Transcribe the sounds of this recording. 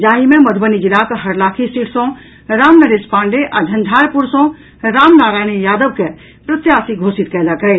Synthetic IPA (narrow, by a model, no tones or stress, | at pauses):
d͡ʒaːɦimẽmɐd̪ʱbənid͡ʒilaːkɦɐɽlaːkʰisiʈʰsɔ̃ | ɾaːmnɐɾeːspãːɳɖeʔad͡ʒʱɐnd̪ʱaːɾpuɾsɔ̃ | ɾaːmnaːɾaːñijaːd̪əʋkɛ | pɾɐt̪jaːsiɡʱoːsit̪̚kɛlakɐj